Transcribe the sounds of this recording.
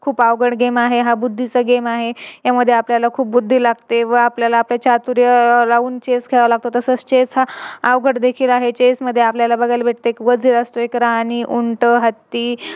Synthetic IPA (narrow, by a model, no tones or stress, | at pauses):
kʰuːpaʋɡəɽɡemaɦeɦabud̪ʱːit͡səɡemaɦejaməd̪ʱːjeapljalakʰuːp̚bud̪ʱːiːlaɡt̪eʋəapljalaːpljat͡ɕat̪uɾjəlauːnt͡ɕeskʰeɭəlaɡ̚t̪ot̪əsət͡st͡ɕet͡sɦaːʋɡʱəʈd̪ekʰiːlaɦet͡ɕesməd̪ʱːjeapljalabəɡʱalbʱeʈt̪eekʋəd͡zʱiləst̪oekɾaɦaniʔuɳʈəɦət̪ːiː